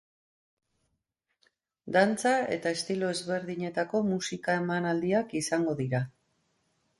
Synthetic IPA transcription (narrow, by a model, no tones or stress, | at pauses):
d̪ant͡sae̞t̪ae̞st̪ilo̞e̞zβe̞ɾðiɲe̞t̪ako̞musikae̞manald̪iakisaŋɡo̞ðiɾa